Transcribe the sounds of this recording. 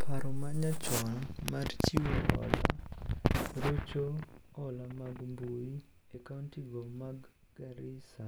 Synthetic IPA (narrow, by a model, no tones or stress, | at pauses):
pʰaɾɔmaɲat͡ʃɔnmart͡ʃiwoɔ̰la̰ | ɾot͡ʃoɔlamaɡmbui | ekantiɡɔmaɡ | ɡaɾisa